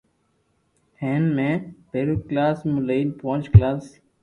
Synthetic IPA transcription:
ẽːnmẽːbeːɾuklaːsmʊləilpoʊ̃t͡ʃklaːs

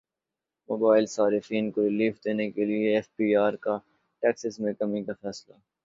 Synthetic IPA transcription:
moːbaːɪlsaːɾɪfiːnkoɾɪliːfd̪eːnekelieɛfpiːaːɾka | ʈɛːksɪzmẽkɐmikafɛːsla

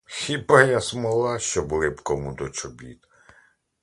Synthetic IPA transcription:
xʲibɐjasmɔlˠɑʃt͡ʃɔblˠɪpkɔmʊd̪ɔt͡ʃɔbʲḭt̪

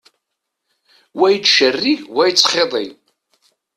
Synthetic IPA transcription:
wæjt͡sːʃərːiʝwæjt͡sːχeðˤi

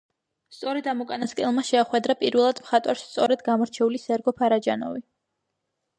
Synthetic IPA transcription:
st̪sʼɔɾɛd̪amɔkʼanaskʼɛlˠmaʃɛːχwɛd̪ɾapʼiɾvɛlˠad̪mχat̪ʼwaɾst̪sʼɔɾɛd̪ɡamɔɾt͡ʃʰɛulisɛɾɡɔpʰaɾad͡ʒanɔ̰vi

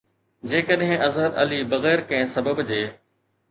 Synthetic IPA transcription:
d͡ʑeːkəɗɦɪ̃ʔɐzɦəd̪ɐ̰libɐɣɛːɾkɐ̃ɪ̃sɐbəbd͡ʑeː

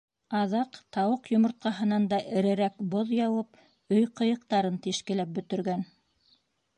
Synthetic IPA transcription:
ɑðɑqt̪ɑwɤqjŏmŏɾt̪̚qɑɦɤ̆nɑnd̪ɑʔɘ̆ɾɘ̆ɾækboðjɑwɤp̚ | ɵjqɤ̆jɤ̆qt̪ɑɾɤnt̪iʃkɘ̆læp̚bɵ̆t̪ɘ̆ɾɡæn

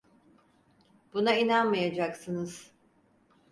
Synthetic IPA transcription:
b̥unainanmajad͡ʒaksɯnɯz̥

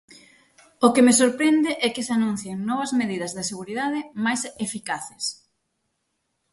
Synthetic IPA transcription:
okemesoɾpɾɛnd̪ɪʔɛkɪsanũn̟θjeŋnɔβ̞ɐzmeðiðɐzðɪseɣuɾiðaðɪmajsefikaθɪs

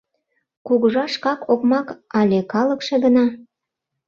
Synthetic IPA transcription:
kuɣəʒɑʃkɑkokmɑkɑlʲekɑlə̆kʃĕɣənɑ

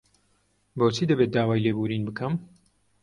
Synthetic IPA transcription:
boːt͡ʃʰiːd̪ɐbeːt̪̚d̪aːwaːjleːbuːɾiːnbɨkʰɐm

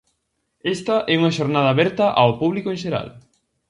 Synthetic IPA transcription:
est̪ɐʔɛuŋɐʃoɾnað̞aːβɛɾt̪ɐʔawpuβlikoẽnʃeɾa̰l

